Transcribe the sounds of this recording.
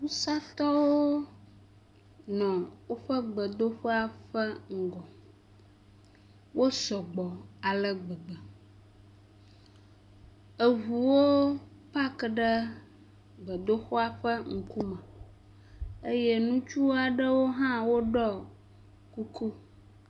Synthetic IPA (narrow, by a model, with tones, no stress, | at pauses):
wu˦sa˦t̪ɔ˦wo˦ | nɔ̃˨wo˦ɸə˦ɡ͡bə˨d̪o˦xɔ˦a˨ɸə˦ŋ̩˨ɡɔ˨ | wʔo˦sɔ˨ɡ͡bɔ˨a˨lə˦ɡ͡bə˨ɡ͡bə˨ | ə˨ɦu˨wo˦ | pa˦kɖə˦ | ɡ͡bə˨d̪o˦xɔ˦a˦ɸə˦ŋ̩˨ku˦mə̃˨ | e˦jɛ˦nũ˦t͡ʃu˦a˨ɖə˦wo˦ɦã˦wo˦ɖɔ˦ | ku˦ku˦